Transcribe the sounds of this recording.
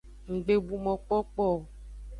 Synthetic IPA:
ŋ̩˨ɡ͡be˨bu˨mɔ̃˨k͡pɔ˦k͡pɔ˦˨

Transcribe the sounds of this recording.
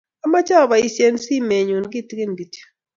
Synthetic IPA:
a˦ma˦t͡ʃa˦˨βa˨i˦se˦nsi˦me˨ɲu˨nɡi˦tɡi˦ndi˨ti̥˨

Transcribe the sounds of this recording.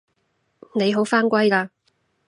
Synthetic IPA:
ne˨˧jɦo˨˥wfaː˥nkʷɐ˥jkaː˧

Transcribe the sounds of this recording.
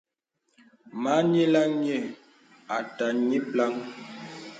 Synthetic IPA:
ma˨˦ɲe˦la˦ŋɲe˦˨ | a˨ta˨ɲi˦pla˦ŋ

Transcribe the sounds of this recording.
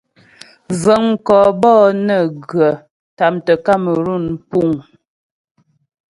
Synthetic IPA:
zə˨ŋ˨kɔː˨bɔː˦nə˦˨ɡɰə˨ | ta˨mtə˨ka˦mə˨ɾu˦˨n˨pu˦˨ŋ

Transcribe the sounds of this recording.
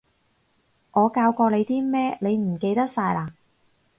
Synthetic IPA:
ŋɔː˨˧kaː˧wkɔː˧le˨˧jt̪iː˥mɛː˥ne˨˧jm̩˨˩ke˧jt̪ɐ˥k̚saː˧jlaː˧

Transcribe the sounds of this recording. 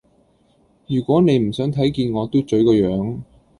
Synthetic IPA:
jyː˨˩kʷɔː˨˥ne˨˧jm̩˨˩sœː˨˥ŋt̪ʰɐ˨˥jkiː˧nŋɔː˨˧t̪o˥t͡ʃɵ˨˥ɥkɔː˧jœː˨˥ŋ

